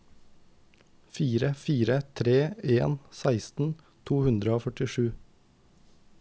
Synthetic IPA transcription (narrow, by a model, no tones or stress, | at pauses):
fiːɾəfiːɾət̪ʰɾeːeːnsæɪst̪n̩ | t̪ʰuːhʉnd̪ɾəoːfœʈɪʃʉː